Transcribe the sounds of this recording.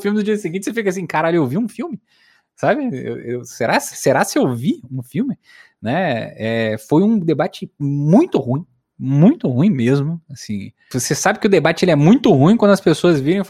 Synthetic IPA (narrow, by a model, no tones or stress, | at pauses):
fiwmɪd̪ʊd͡ʒiɐsiɡĩt͡ʃɪsefikas̬ĩkaɾaʎʊeowviũfiwmɪ | sabɪḛwewseɾasɪ̥seɾasɪowviũfiwmɪ | nɛɛfojũd̪ebat͡ʃɪmũj̃t̪ʊhũj̃ | mũj̃t̪ʊhũj̃mezmʊasḭ̃ | vosesabɪkɪʊd̪ebat͡ʃɪelɪɛmũj̃t̪ʊhũĩkwɐ̃nd̪ʊɐspesoɐzviɾẽj̃f